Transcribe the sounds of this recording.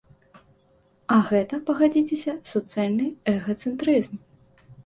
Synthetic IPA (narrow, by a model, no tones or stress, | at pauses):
ɐɣɛt̪ɐpɐɣad͡zʲit͡sʲesʲɐsɔt̪sɨalʲnɨɛɣɐt̪sɨnt̪ɾɨzm